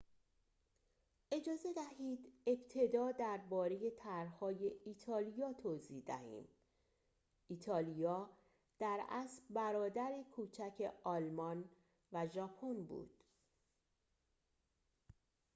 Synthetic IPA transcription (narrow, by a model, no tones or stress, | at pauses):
ʔe̞d͡ʒɒːze̞d̪æɦiːd̪e̞bt̪ʰe̞d̪ɒːd̪æɾbɒːɾe̞je̞t̪ʰæɾhɒːje̞it̪ʰɒːlijɒːt̪ʰoːzid̪æ̰hḭːm | it̪ʰɒːlijɒː | d̪̥æɾæ̰sbæɾɒːd̪æɾekʰuːt͡ʃʰæcʰe̞ɒlmɒn | væʒɒpʰonbṵːd̪̥